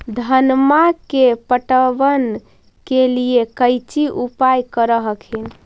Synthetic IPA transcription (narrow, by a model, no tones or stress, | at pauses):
d̪ʱənmakepəʈəʋən | keliekəjt͡ʃiʔupajkəɾəɦəkʰin